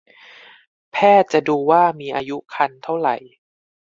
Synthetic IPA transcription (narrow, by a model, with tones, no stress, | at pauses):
pʰɛː˥˩t̪̚t͡ɕa˨˩duː˧waː˥˩miː˧ʔaː˧ju˦˥kʰa˧nt̪ʰa˥˩wɾa̰˨˩j